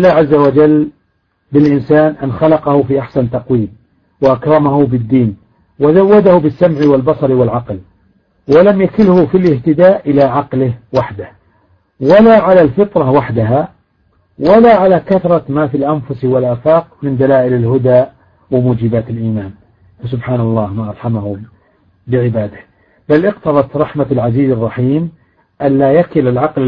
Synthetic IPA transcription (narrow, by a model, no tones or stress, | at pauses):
ɪlːaːʕazːawad͡ʒal | bɪlʔɪnsaːnʔanxalɑqɑhʊfiʔaħsant̪ɑqwiːm | waʔakɾˤɑmahubɪd̪ːiːn | wɪzawːad̪ahubɪsːamʕiwɪlbɑsˤɑɾwɪlʕɑql | walamjakɪlhʊfilʔɪht̪ɪd̪aːʔʔɪlaʕɑqlɪhwaħd̪ah | walaʕalalfɨt̪ˤɾˤɑwaħd̪aɦa | walaʕalakaθɾˤɑmaːfilʔamfʊswɪlʔaːfɑːqmɪnd̪alaːʔɪlɪlɦʊd̪aː | wɪmuːd͡ʒɪbaːt̪ɪlʔiːmaːn | fas̬ʊbħaːnɑlˤːɑːhmaʔɑɾˤħamahʊm | bɪʕɪbaːd̪ah | balʔɪqt̪ɑðˤɑt̪ɾˤɑħmalʕaziːzɑrˤːɑħiːm | ʔanlaːjakɪlɪlʕɑql